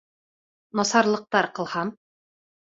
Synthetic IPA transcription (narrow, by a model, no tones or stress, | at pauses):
nɒsɑɾlˠɤ̆q̚t̪ɑɾqɤ̆lˠhɑm